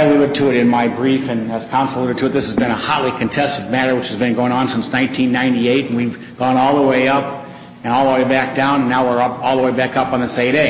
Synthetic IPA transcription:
ɨlʉɾɨd̚tʰɨɨɾɨ̃nmaɪbɹifɨ̃nɨz̥kʰɑ̃nsəl̩ˠuɾɨd̚tʰɨt̪̚ðɪsɨzbɨ̃ñəhɑtˡlikʰɨ̃ntʰɛstɨvmæɾə˞wɨt͡ʃhɨzbɨ̃nɡoʊɪ̃ŋə̃nsɪ̃nsnãɪ̃ntʰĩnːãɪ̃ntieɪtn̩wiv | ɡ̥ɔ̃nɔlˠðəweɪʌp̚ | ɨ̃nɔlˠəweɪbæk̚d̥ãʊ̃nɨ̃nːaʊwə˞ʌpɔlˠðəweɪbækʌpn̩ðɨseɪɾeɪ

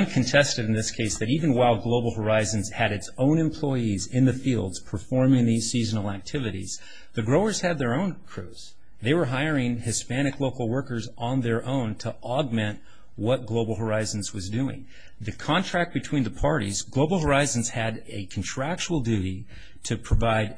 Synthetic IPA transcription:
mkʰɨ̃n̩tʰɛstɨɾn̩ðɪskʰeɪsðɨɾivɨ̃n̩waɪlˠɡloʊbl̩ˠɦə˞aɪzɨ̃n̩z̥ɨɾɨtsõʊ̃nɨ̃mpʰl̥ɔɪizɪ̃nðɨfilˠdz̥pʰə˞fɔɹmɪ̃ŋðiz̥siznl̩ˠæk̚tʰɪvɨɾḭz̥ | ðɨɡɹoʊə˞z̥ɨd̪̚ðə˞õʊ̃nkʰɹ̥ʉz̥ | ðeɪwə˞ɦaɪə˞ɪ̃ŋɨspæñɨkloʊkl̩ˠwɜ˞kə˞z̃n̩ðə˞ʔõʊ̃ntʰəʔɑɡ̚mɛ̃nʔ | wʌt̚ɡ̥loʊbl̩ˠɦə˞aɪzn̩zwʌzdʉɪ̰̃ŋ | ðɨkʰɑ̃ntʰɹ̥æk̚t̚b̥ɨtʰw̥ĩnðɨpʰɑɹɾḭzɡloʊbl̩ˠɦə˞aɪz̃n̩z̥ɨɾɨkʰn̩tʰɹ̥æk̚t͡ʃul̩ˠdʉɾi | ɾɨpʰɹ̥əvaɪd̚

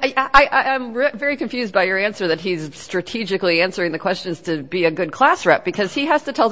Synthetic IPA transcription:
aɪʔaɪãɪ̃mvɛɹikɨ̃ɱfjʉzd̚baɪjə˞æ̃nsə˞ðɨt̚ɦizstɹ̥ɨtʰid͡ʒɨkliæ̃nsə˞ɪ̃ŋðɨkʰw̥ɛst͡ʃɨ̃nz̥tʰɨbiɨɡʊd̚kʰl̥æsɹɛp̚b̥ɨkʰʌz̥iɦæz̥tɨtʰɛlˠ

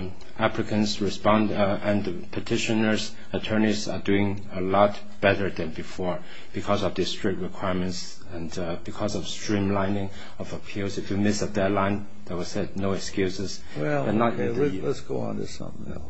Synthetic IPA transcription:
æpʰlɪkʰə̃nsɹɪspɑ̃ndɨ̃nðəpʰətʰɪʃənə˞z | ətʰɜ˞nizə̰duɪ̃ŋ | əlɔt | b̥ɛɾə˞ðɨ̃nbifɔɹ | b̥ikʰɔzɔvdistɹ̥ɪk̚t̚ɹikʰw̥aɪɹmə̃nts | ɛ̃n | bikʰɔzɔv̥stɹ̥ĩmlãɪ̃nɪ̃ŋ | ʌvəpʰilˠzɪfjumɪsədɛlãɪ̃n | ðəwə̥sɛd̚noʊɛkskjʉsɪz | wɛ̥ʌt̚ⁿnɔtɪ̃lɛtsɡ̥oʊə̰̃nɪ̰sʌ̰̃m

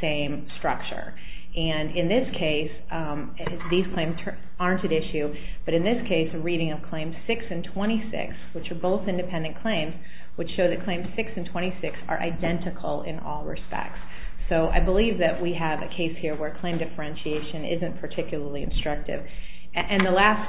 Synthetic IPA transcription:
sẽɪ̃m | stɹ̥ʌ̰k̚t͡ʃə̰˞ | ʔɨ̃nɪ̃nðɪskʰeɪs | ðiz̥kʰl̥ẽɪ̃mz̥tʰ | ɑɹ̃ntɨ̃nɪʃʉ | b̥ʌɾɨ̃nðɪskʰeɪsɨɹiɾɪ̃ŋʌv̥kʰl̥ẽɪ̃mz̥sɪksɨ̃ntʰw̥ɛ̃ɾ̃isɪ̰kswɨt͡ʃə˞boʊθɪ̃ndɨpʰɛ̃ndɨ̃nkʰl̥ẽɪ̃mz̥ | wɨd̥ʃoʊðɨt̚kʰl̥ẽɪ̃mz̥sɪksn̩tʰw̥ɛ̃ɾ̃isɪksə̰˞ʔa̰ɪdɛ̃ntɨkʰl̩ˠɪ̰̃nɔ̰lˠɹɨ̰spɛ̰k̚ts | soʊʔa̰ɪbəlivðɨʔ̚wiɨvɨ̰kʰeɪshiɹwə˞kʰl̥ẽɪ̃mdɨfə˞ɛ̃nʃieɪʃɨ̃nɪ̰zɨ̃npʰə˞tʰɪkjl̩ˠə˞liɨ̰̃nstɹ̥ʌk̚tɪ̰v | ʔɨ̃nðəlæs

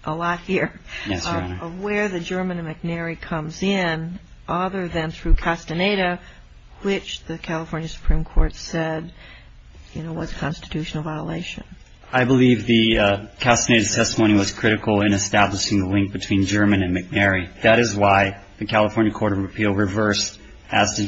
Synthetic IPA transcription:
ʔəlɔt̚hiɹjɛsanəʌvwə˞ðɨd͡ʒɜ˞mɨ̃nɨ̃nmɨk̚nɛɹikʰʌ̃mzɪ̃n | ʔʌðə˞ðɨ̃nθɹʉkʰæstɨneɪɾo | wɪt͡ʃðɨkʰælˠəfɔɹnjɨsə̥pʰɹ̥ĩmkʰɔɹtsɛd̚ | jɨnoʊwʌz̥ɨ̥kʰɑ̃nstɨ̥tʰʉʃnl̩ˠvaɪəlḛɪʃɨ̰̃n | aɪbəlivðɨkʰæstɨneɪɾɨz̥tʰɛstəmõʊñiwʌz̥kʰɹ̥ɪɾɨkl̩ˠɪ̃ñɨstæbləʃɪ̃ŋðəlɪ̃ŋk̚b̥ɨtʰw̥ĩnd͡ʒɜ˞mɨ̃nɨ̃nmɨk̚nɛɹiðɨɾɨzwaɪ | ðɨkʰælˠəfɔɹnjɨkʰɔɹɾʌvɨpʰilˠɹɨvɜ˞s | ɨz̥tʰɨ

